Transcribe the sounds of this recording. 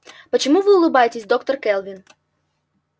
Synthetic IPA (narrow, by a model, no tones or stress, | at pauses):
pɔt͡ʃɔmuʋɪʊlˠɪbɑjet̪esʲd̪ɔkt̪ɔrkɛlˠʋʲin